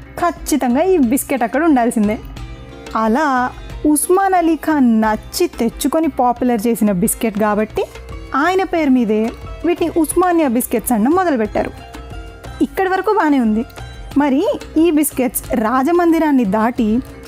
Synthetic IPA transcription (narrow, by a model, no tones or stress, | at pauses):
kʰɐt͡ʃːit̪ɐŋɡaːiːbiskeʈːɐkːɐɽɐuɳɖaːlsind̪eː | ɐlaːusmaːnɐlikʰɐnɐt͡ʃːit̪e̞t͡ʃːukonipaːpjulɐɾt͡ʃe̞ːsinɐbiskeʈɡaːbɐʈːi | aːjɐnɐpe̞ːɾmiːd̪e̞ːʋiːʈiʔusmaːnjɐbiskeʈsɐɳːɐmɔd̪ɐlɐpɛʈːa̰ːɾṵ | ikːɐɽɐʋɐɾɐkuːbaːneːund̪imɐɾiiːbiskeʈsɾaːd͡ʒɐmɐnd̪iɾaːnːid̪aːʈi